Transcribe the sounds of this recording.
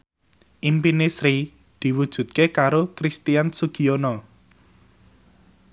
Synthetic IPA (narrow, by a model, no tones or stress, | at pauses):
ʔimpinesɾi | d̪̥i̤wud̥ʒ̥ṳt̪̚kekaɾokɾist̪iansuɡ̥ionɔ